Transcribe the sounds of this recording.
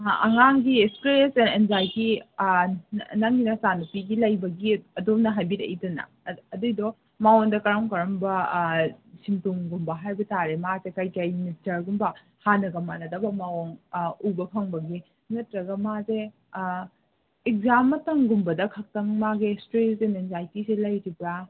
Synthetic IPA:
ɐŋaŋɡistɾesenenzajɡi | nɐŋinɐsanupiɡilɐjbɐɡiɐdomnɐɦajbiɾɐ̰jdɐnɐ̰ː | dujdɔ | mawondɐkɐɾamkɐɾɐmbɐ | simtuŋɡumbɐɦajbɐtaɾemazekajkajinistɐɾɡumbɐ | hanɐɡɐmanɐdɐbɐmawoŋubɐkʰɐŋbɐɡi | ŋɐtɾɐɡɐmaze | ek̚zamːɐtɐŋɡumbɐdɐkʰɐk̚tɐŋmaɡestɾeenenzajtisilɐjɾibɾa

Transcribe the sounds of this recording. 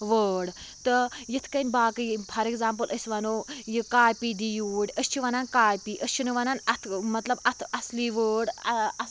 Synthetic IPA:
ʋəːɽ | t̪ɨjit̪ʰkɐnʲbaːkɨpʰɐɾekzaːmpɨlʔəsʲʋɐnoːjikaːjpiːd̪ijuːɽʲəst͡ʃʰiʋɐnankaːjpiːʔəst͡ʃʰinɨʋɐnanɐt̪ʰmɐt̪lɐbɐt̪ʰɐsliːʋəːɖɐɐ

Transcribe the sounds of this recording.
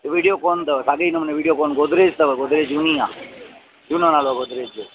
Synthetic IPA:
t̪ʋiɽijokont̪əʋesaɡəjnəməneʋiɽijokɔnɡod̪ʱɾed͡ʒt̪əʋeɡod̪ɾed͡ʒunijã | d͡ʒunanaloɡod̪ʱɾed͡ʒo

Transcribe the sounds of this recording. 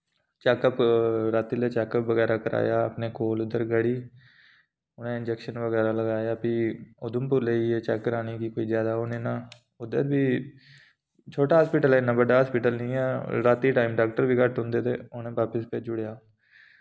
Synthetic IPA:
t͡ʃɛːkəpɾaːt̪iːleːt͡ʃɛːkəpʋəɡɛːɾaːkəɾʔa̰ːjaːəpneːkʰoːlʊd̪əɾɡəɽiː | ʊnẽːɪnd͡ʒɛːkʃənʋəɡɛːɾaːləɡaːjaːpiːʊd̪ʊmpʊɾleiːeːt͡ʃɛːkːəɾaːniːkiːkoːiːzjaːd̪aːʊnẽːnãː | ʊd̪əɾbiː | t͡ʃʰoːʈaːɦaːspiːʈəlɛːnaːbəɖaːɦaːspiːʈəlnĩːɛːɾaːt̪iːʈaːimɖaːk̚ʈəɾʋiːkəʈɦʊ̃nd̪eːt̪ḛːʊnẽːʋaːpəspɛːd͡ʒʊɽejaː

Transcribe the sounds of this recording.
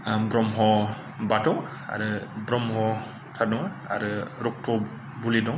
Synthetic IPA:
bɾɔmɦɔ | batʰɔ | a̰ɾɯbɾɔmhɔ | tʰadɔŋ | a̰ɾɯɾɔk̚tʰɔ | bulidɔŋ

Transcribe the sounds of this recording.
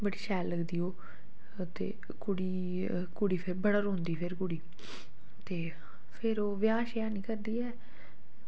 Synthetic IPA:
bəɽiːʃɛːlːəɡd̪iːoː | t̪ḛː | kʊɽiː | kʊɽiːpʰɪɾbəɽəɾõnd̪iːpʰɪɾkʊɽiː | t̪eː | pʰɪɾoːʋjaːʃjaːnĩːkəɾd̪iːɛː

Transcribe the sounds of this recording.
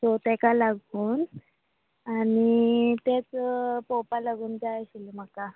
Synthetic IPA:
sot̪ekalaɡʱuːn | anit̪et͡spopalaɡuːnd͡zajɕilm̤əka

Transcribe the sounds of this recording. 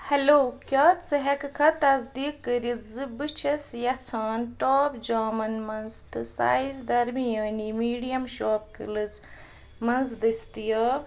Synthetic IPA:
hɐloːkʲɐtt͡sɨɦɐkɨkʰɐt̪ɐzd̪iːkːəɾit̪zɨbɨt͡ʃʰɐsjɐt͡sʰaːnʈoːpd͡ʒaːmɐnmɐnzt̪ɨsa̰ːizd̪ɐɾmijɐːnimiːɖijɐmʃoːpkɨ̰lɨt͡s | mɐnzd̪ɨst̪ijɐ

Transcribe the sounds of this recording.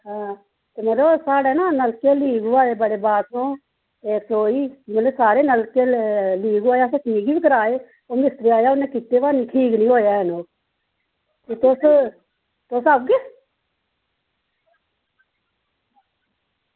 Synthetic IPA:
ɦãː | t̪eːmət̪ləbsaːɽeːnaːnəlkeːliːɡuaːeːbəɽeːbaːõː | eːksoːiːmət̪ləsaːɾeːnəlkẽːliːɡaːjaːsẽːʈʰiːɡibikəɾaːeː | oːmɪst̪ɾiaːjaːʊnːeːkiːt̪eːʋaːniːʈʰiːknĩːɦoːjaːənoː | t̪eːt̪os | t̪ʊsəb̚ɡeː

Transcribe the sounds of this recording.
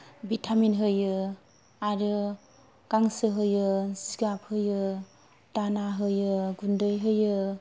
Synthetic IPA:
bitʰaminɦɯjɯ | aɾɯ | kaŋsɯɦɯjɯsi̥ɡap̚ʰhɯjɯ | danaɦɯjɯɡundɯjɦɯjɯ

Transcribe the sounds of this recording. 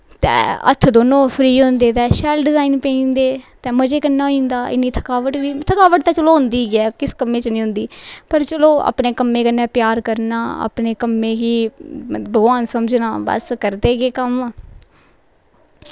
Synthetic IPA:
t̪ɛ̰̃ːə̰t̪ʰːd̪oːnõːpʰɾiːɦʊ̃nd̪eːt̪ɛːʃɛːlɖɪzaːiːnpẽĩːnd̪eːt̪ɛ̃ːməd͡ʒeːkənːaːoĩːnd̪aːʔɪ̰nːiːt̪ʰə̥kaːʋəʈʋiːt̪ʰəkaːʋəʈ̚d̪aːt͡ʃəloːɦʊnd̪iːɡɪɛːkɪskəmːeːt͡ʃnĩːɦʊ̃nd̪iːpəɾt͡ʃəloːa̰ːpneːkəmːẽːkənːɛ̃ːpjaːɾkəɾnaːə̰pneːkəmːẽːkiː | bəɡʋaːnsəməd͡ʒnaːbə̰skəɾd̪eːɡeːkəm

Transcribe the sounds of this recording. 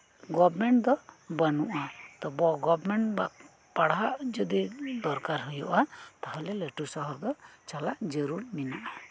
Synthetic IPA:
ɡɔbmɛɳʈd̪ɔbanuʔat̪ɔbɔɡɔbmɛɳʈbaʔ | paɽaʔd͡ʒɔd̪id̪ɔɾkaɾɦɔjɔʔat̪aɦalɛleʈusɔɦɔɾd̪ɔt͡ʃalaʔd͡ʒəɾuɾminaʔa

